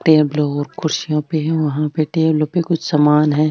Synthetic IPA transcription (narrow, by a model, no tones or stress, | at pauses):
ʈeːblõɔːɾkʰʊɾʃijõpeɦɛ̃ʋɐɦãpeʈeːblõpekʊt͡ʃʰsɐmaːnɦɛ̃ː